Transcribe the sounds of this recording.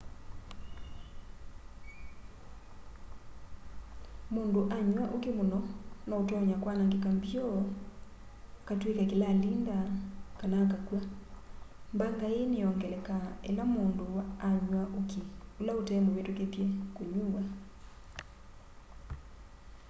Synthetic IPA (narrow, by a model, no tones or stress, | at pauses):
mondoʔaɲwaʔokemonɔnɔotɔɔɲakwanaŋɡekambjɔ | katwekakelaːlindakanaːkakwa | mbaŋɡaeneɔŋɡɛlɛkaḛlamondowaːɲwaʔokiolaotɛmbowetwekepjɛkoɲuwa